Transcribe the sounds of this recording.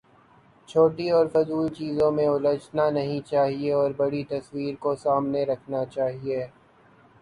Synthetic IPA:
t͡ʃʰoːʈiɔːɾfʊzuːlt͡ʃiːzõmẽʊlət͡ʃnanɐɦĩt͡ʃaːɦieɔːɾbɐɽit̪ɐswiːɾkosaːmneɾɐkʰnat͡ʃaːɦieː

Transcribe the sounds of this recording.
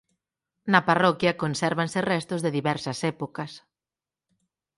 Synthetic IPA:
nɐparɔkjɐkonsɛɾβansɪrɛst̪ʊzðeðiβɛɾsɐsɛpokɐs

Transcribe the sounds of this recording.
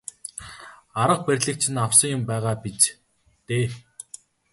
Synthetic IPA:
aɾə̆q̚pærʲɮɘ̆k̚t͡ɕʰɪ̆nawsə̆ŋjʊmpæːʁaːpit͡s | t̪eː

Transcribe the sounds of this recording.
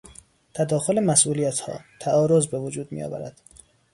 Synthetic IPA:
t̪ʰæd̪ɒːxo̞lemæsʔuːlijæt̪hɒ̰ːt̪ʰæʔɒːɾo̞zbevod͡ʒuːd̪̚mḭjɒ̰ːvæ̰ɾæ̰d̪̥

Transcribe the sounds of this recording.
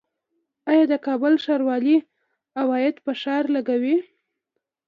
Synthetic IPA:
ɑjɑd̪əkɑbəlʃɑɾwɑli | awɑjɪd̪pəʃɑɾlaɡawi

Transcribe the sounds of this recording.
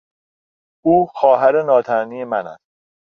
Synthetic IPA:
uːxɒːɦæɾenɒːt̪ʰæniːjemænæ̰s

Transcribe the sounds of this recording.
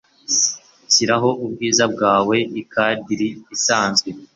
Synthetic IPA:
ciɾaɦo̞ʔub̚ɡiːzabɡaːwe̞ikadɟiɾiːsaːnzɡwe̞

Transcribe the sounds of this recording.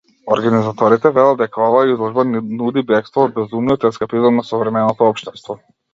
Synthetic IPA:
ɔɾɡanizat̪ɔɾit̪ɛvɛlˠad̪̚d̪ɛkaɔvaːizlˠɔʒbanud̪ibɛkst̪vɔːd̪̚bɛzumniɔt̪ɛskapizɔmnasɔvɾɛmɛnɔt̪ɔɔpʃt̪ɛst̪vɔ

